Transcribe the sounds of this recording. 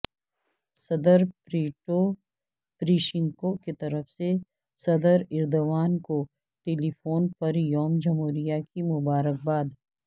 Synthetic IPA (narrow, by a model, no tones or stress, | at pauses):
sɐd̪əɾpɾiːʈo | pɾiːʃɪ̃ŋkoket̪ɐɾəfse | sɐd̪əɾɪɾd̪oʋaːnko | ʈeːlipʰoːnpɐɾjɔːmd͡ʒɐmɦoːɾijakimʊbaːɾək̚baːd̪